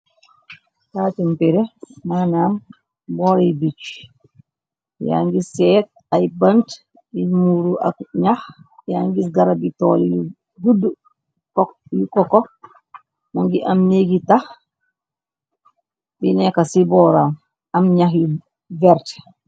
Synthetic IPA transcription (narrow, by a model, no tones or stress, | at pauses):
taːtimpiɾɛmanam | bɔːɾibit͡ʃ | ja̰ŋɡisɛt̚ | ajbant | imuɾuʔa̰kɲaxjaŋɡisɡaɾabitɔːlju | ɡudu | kɔjukɔkːɔ | nɔŋɡiʔamneɡitah | binɛkasibɔːɾam | amɲaxju | vɛɾt